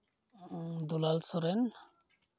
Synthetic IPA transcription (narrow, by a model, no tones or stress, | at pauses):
d̪ulalsɔɾen